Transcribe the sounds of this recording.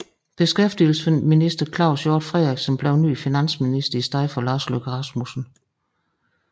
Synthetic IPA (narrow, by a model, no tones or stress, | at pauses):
b̥e̝sɡ̥efd̥il̩snminisd̥ɐkʰlɑ̈ʊsjoːd̥fʁɛðʁaɡ̥smb̥lɛʊny̰ːfinæn̰sminisd̥ɐisd̥ɑ̈ðˠfɒlɑ̈ːsløɡ̥ʰəʁɑ̈smusn̩